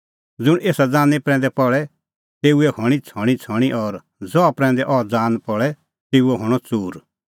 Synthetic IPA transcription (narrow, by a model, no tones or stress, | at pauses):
d͡zʊɽ̃eːsad͡zaːnipɾɛ̃ːnd̪ɛpɔɭɛ | t̪eːuɛhɔ̃it͡sʰɔɽ̃it͡sʰɔɽ̃iʔɔɾ | d͡zɔapɾɛ̃ːnd̪ɛʔɔd͡zaːnpɔɭɛ | t̪eːuɛɦɔɽ̃ɔt͡suːɾ